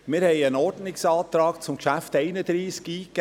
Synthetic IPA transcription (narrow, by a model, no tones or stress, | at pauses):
mɪːɾhɛɪənɔɾdnɪksɑːt̪ɾɑːkt͡sʊmkʃæftɛɪnəd̪ɾiːskiːk